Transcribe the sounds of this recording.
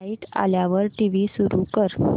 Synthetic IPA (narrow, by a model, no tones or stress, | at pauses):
iʈa̰ljaʋəɾʈiʋisuɾukəɾ